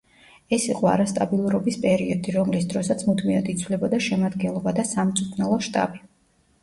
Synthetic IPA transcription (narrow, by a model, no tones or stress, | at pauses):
ɛsiqʼɔa̰ɾast̪ʼabilˠuɾɔbispʼɛɾiɔd̪iɾɔmlisd̪ɾɔsat̪sʰmud̪miad̪it̪sʰwlɛbɔd̪aʃɛmad̪ɡɛnlˠɔbad̪asamt̪sʼupʰnɛlˠɔʃt̪ʼa̰bi